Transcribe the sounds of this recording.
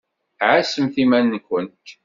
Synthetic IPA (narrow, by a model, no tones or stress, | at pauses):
ʕasəmθimænːkʷːənt̪